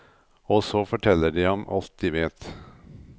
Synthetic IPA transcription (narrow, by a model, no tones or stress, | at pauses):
ɔsoːfɔʈʰɛlːəɖiːhɑmʔɑ̰lt̪̚d̪iːʋeːt̪